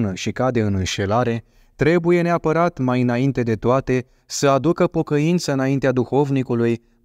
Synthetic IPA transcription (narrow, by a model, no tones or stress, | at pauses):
nəʃikad̪e̞ɨnɨnʃe̞laɾe̞ | t̪ɾe̞buje̞ne̞apəɾat̪majɨnaint̪e̞d̪e̞t̪oat̪e̞ | səad̪ukəpo̞kəint̪səɨnaint̪ead̪uxo̞vnikuluj